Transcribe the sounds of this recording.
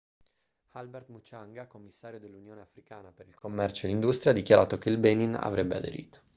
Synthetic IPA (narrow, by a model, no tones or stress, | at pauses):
albɛrt̪mut͡ʃːaŋɡakomːisːaːɾjod̪elːunjoːneafɾikaːnapeɾilkomːɛrt͡ʃoelːind̪ust̪ɾijad̪ːikjaɾʔaːt̪okeilbenina̰vɾebːea̰d̪ḛɾḭːt̪o̥